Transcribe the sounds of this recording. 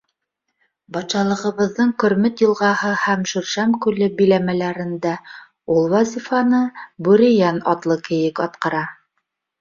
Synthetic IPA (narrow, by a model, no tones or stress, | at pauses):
bɑt̪ʃɑlˠɤ̆ʁɤ̆βɤ̆ðːɤɴkɵ̆ɾmɘt̪jɤ̆lˠʁɑhɤhæmʃɵ̆ɾʃæmkʉlɘbilæmælæɾɘ̆nd̪æ | ulˠwɑzʲifɑnɤbuɾijænɑt̪lˠɤkɘ̆jɘkɑt̪̚qɤ̆ɾɑ